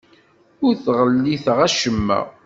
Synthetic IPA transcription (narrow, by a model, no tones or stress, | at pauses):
ʊɾθʁəlːiθʁæʃəmːæ̰